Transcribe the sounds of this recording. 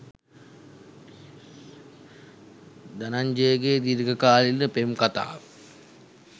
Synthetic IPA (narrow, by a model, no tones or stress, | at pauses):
d̪anaɲd͡ʒejɡeːd̪iɾɡəkaːlilnəpemkat̪a̰ːʋə